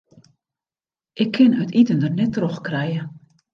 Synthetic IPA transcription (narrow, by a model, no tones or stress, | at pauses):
ʔɪkʰːɪnœtitəndərnɛtroxkrɛjə